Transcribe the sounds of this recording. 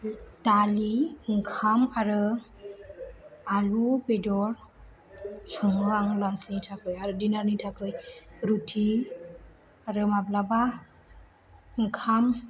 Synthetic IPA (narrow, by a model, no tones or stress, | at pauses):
d̥aliŋkʰamaɾɯ | alubedɔɾ | sɔŋɯaŋlansnitʰakɯjaɾɯdinaɾnitʰakɯjɾutʰi | aɾɯmablaba | ɯŋkʰam